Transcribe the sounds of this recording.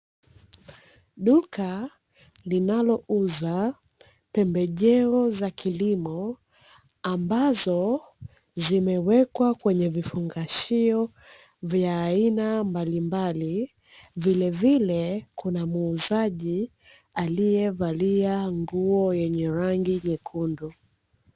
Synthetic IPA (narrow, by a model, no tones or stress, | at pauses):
ɗuka | linalɔʔuza | pɛmbɛʄɛɔzakʰilimɔ | ambazɔ | zimɛwɛkwakwɛɲɛvifuŋɡaʃiɔ | vjaːinambalimbali | vilɛvilɛkʰunamuːzaʄi | alijɛvaliaŋɡuɔjɛɲɛɾaŋɡiɲɛkʰundu